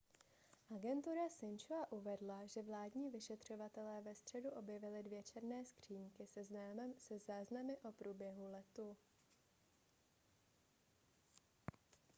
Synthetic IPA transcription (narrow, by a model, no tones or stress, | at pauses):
ʔaɡɛnt̪uɾasɪnt͡ʃoaʔuvɛdlaʒɛvlaːdɲiːvɪʃɛt̪r̝̥o̞vat̪ɛlɛːvɛst̪r̥ɛduʔo̞bjɛvɪlɪdvjɛt͡ʃɛɾnɛːskr̝̥iːŋkɪsɛzasɛzaːznamɪʔo̞pɾuːbjɛɦulɛt̪u